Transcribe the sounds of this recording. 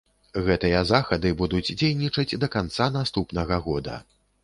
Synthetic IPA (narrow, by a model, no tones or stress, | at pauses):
ɣɛt̪ɨjɐzaxɐd̪ɨbud̪ud͡zʲd͡zʲejnʲit͡ʂɐd͡zʲd̪ɐkant̪sanast̪upnɐɣɐɣɔd̪ɐ̰